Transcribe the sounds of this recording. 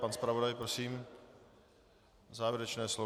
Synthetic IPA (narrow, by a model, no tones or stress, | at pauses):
panspɾavo̞dajpɾosiːm | zaːvɪɾɛt͡ʃnɛːslo